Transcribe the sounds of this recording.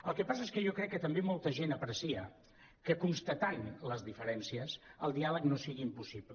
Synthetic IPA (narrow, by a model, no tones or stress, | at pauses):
əlˠkəpas̬əeskəʒokɾɛkːət̪əmbemolˠt̪əʒenəpɾəsiə | kəkunst̪ət̪anləzðifəɾɛnsiəsəlˠd̪ialəknosiɣiːmpusipl